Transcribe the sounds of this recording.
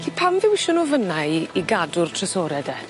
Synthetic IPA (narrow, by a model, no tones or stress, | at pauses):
kʰiːpʰamðɪwɪʃɔnɔvənaiɡadʊrtʰrɛsɔːɾɛdɛ